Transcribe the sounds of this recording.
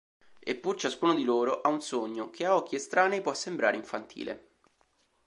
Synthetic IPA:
ḛpːurt͡ʃaskuːnod̪iloːɾoʔaunsoɲːok̟ʰeaɔk̟ːiest̪ɾaːnepwɔsːembɾa̰ːɾeiɱfant̪ʰḭːlʔḛ

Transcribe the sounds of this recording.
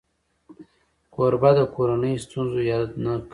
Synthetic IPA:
koɾbad̪əkoɾanəjst̪unzojɑd̪nak

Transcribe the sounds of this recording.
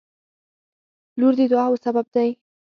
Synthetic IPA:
luɾd̪ed̪ʊɑwəsabab̚d̪aj

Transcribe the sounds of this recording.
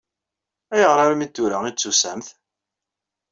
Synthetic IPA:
æjəʁɾaɾmit̪ːuɾæit͡sːusæmθ

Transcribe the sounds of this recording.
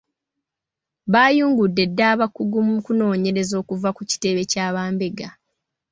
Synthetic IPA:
βaːjuːŋɡudːe̞dːaːβakːuɡumukuno̞ːɲe̞ɾe̞zo̞ːkuvakuci̥te̞βe̞caːβaːmbe̞ɡa

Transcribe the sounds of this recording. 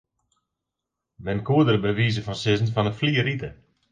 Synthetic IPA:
mɛnkuədəɾəbəʋiːzəfɔnsɪzn̩fɔnəfliːəɾitə

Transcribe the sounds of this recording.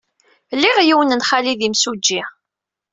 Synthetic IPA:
lːiʁjiwənənχaliðimsud͡ʒːi

